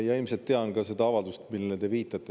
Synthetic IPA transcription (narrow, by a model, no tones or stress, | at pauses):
jɑelmise̞lt̪ːeɑnɡɑse̞d̪ɑɑvɑld̪ust̪milːet̪e̞viːt̪ːˑɑt̪ˑːe